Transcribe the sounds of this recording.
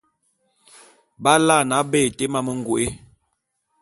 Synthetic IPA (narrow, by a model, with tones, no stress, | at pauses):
ba˦la˦˨na˨˦beː˦˨te˦ma˦mə˦˨ŋ̩˨ɡu˨ʔe˦